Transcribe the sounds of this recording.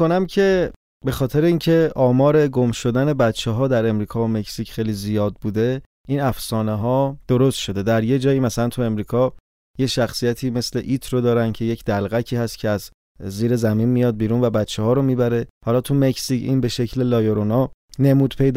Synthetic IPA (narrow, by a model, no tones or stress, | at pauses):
onæmcʰe̞ | be̞xɒːt̪ʰeɾeincʰe̞ʔɒːmɒːɾe̞ɡo̞mʃo̞d̪æne̞bæt̪t͡ʃʰːeɦɒːd̪æɾe̞mɾiːkʰɒːome̞csicʰxejlizijɒːd̪̚buːd̪e̞ | inæfsɒːneɦɒːd̪̥o̞ɾo̞st̪ʃo̞d̪e̞d̪æɾje̞d͡ʒɒːjiːmæsælænt̪ʰue̞mɾiːkʰɒ | jeʃæxsijæt̪ʰiːme̞sle̞ʔit̪ʰɾod̪ɒːɾæncʰe̞je̞cʰd̪̥ælɣæcʰiːhæst̪cʰeæzː | iːɾe̞zæminmijɒːd̪̚biːɾuːnvæbæt̪t͡ʃʰːehɒːɾomiːbæɾe̞hɒlɒːt̪ʰume̞csicʰḭnbe̞ʃe̞cʰlelɒːjoɾonɒːne̞muːd̪̥pʰejd̪